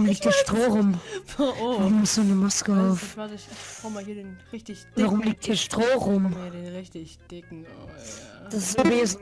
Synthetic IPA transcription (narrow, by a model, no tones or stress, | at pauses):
ʊmliːk̚td̥iːɐʃtʁ̥oːʁʊm | vaʁʊmʊsoːnəmaskəaʊf | vaʁʊmliːk̚t̚d̥iːɐʃtʁ̥oːʁʊm | d̥asɪsaveːz